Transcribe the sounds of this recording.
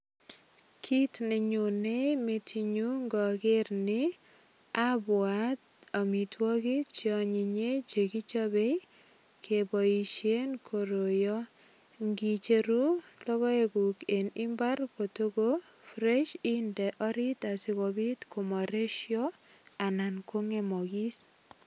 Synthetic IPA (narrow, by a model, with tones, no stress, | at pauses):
kʰi˦tnɪ˨ɲu˨nemetiɲu˦ŋɡɔ˨kɪ˦rnɪ | abwat̚ | a˨mi˨twɔ˦ki˦t͡ʃjɔ˨ɲi˨ɲe˦t͡ʃe˨ki˦t͡ʃabe˦j | kʰebɔ˨i˨ʃe˦nkʰo˨ɾo˨jɔ˦ | ŋɡi˨t͡ʃe˨ɾu˦lɔ˦ɣɔ˦eɡu˨kenɪ˦mba˦rko˨to˦ɡofrɛʃindɛʔɔ˦ɾi˦ta˨si˦ɣobi˦tkʰomɔ˨ɾe˦ʃjɔa˨na˨nkʰo˦ŋe˨mɔɡi˦s